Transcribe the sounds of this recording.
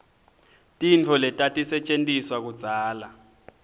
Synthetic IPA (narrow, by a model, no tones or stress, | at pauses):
tʼint͡fʰɔlɛtʼatʼisɛt͡ʃʼentʼiswak̬u̥d͡z̥ʱaːla